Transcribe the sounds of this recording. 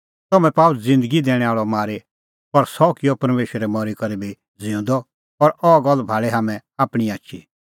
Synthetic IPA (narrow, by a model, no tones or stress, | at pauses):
t̪ɐmɛ̃paːʊld͡zɪ̃nd̪əɡid̪ɛːɽ̃ɛaːɭɔmaːɾe | pɐɾsɔkɪjɔpɐɾmeːʃəɾɛmɔɾikɐɾibi | d͡zɪ̃ũnd̪ɔ | ɐɾɔɡɐlːbʱaːɭeɦaːmɛ̃aːpɽ̃iaːʃʰi